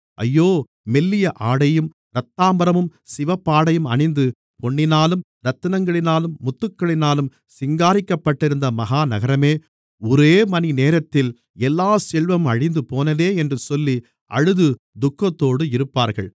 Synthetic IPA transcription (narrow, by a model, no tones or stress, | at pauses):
ʔɐ̰jːoː | mɛlːɪjɐʔaːɽɐjɯm | ɾɐt̪ːaːmbɐɾɐmɯmsɪʋɐpːaːɽɐjɯmɐɳɪnd̪ɯ | pɔɳːɪnaːlɯm | ɾɐt̪ːɯnɐŋɡɐɭɪnaːlɯmmːʊt̪ːɯkːɐɭɪnaːlɯm | sɪŋɡaːɾɪkːɐpːɐʈːɪɾɯnd̪ɐmɐɦaːnɐɣɐɾɐmeː | ɔɾeːmɐnineːɾɐt̪ːɪl | ɛlːaːsɛɭʋɐmɐɻɪnd̪ɯpoːnɐðeːɛndrɯsɔlːi | ʔɐ̰ɻɯðɯ | d̪ʊkːɐt̪ːoːɽɯɪɾɯpːaːɾɣɐ̰ɭ